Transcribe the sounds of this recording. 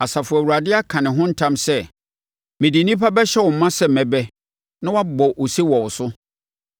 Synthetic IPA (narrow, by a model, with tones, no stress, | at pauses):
a˨sa˨fʊ˨ɛ˨u˨ɾa˨dɪ˦a˦kʰã˨nɪ̃˨ɦʊ̃˦n̩˦tʰã˦msɛ˦ | mɪ̃˨di˨nĩ˦pʰa˦bɛ˦ɕɛ˦wɔ˨m̩˦mã˦sɛ˦m̩˨mɛ̃˨bɛ˦ | nã˦wa˦bɔ˨ʔo˨se˦wɔ˨wʊ˨sʊ˦